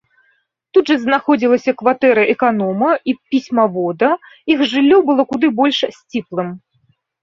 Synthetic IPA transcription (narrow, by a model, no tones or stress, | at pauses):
t̪ud̪ʐɐznaxɔd͡zʲilˠɐsʲɐkvat̪ɛɾɐʔɛkanɔmɐipʲisʲmɐvɔd̪ɐ | ixʐɨlʲːɔbɨlˠɔkud̪ɨbɔlʲʂsʲt͡sʲiplˠɨm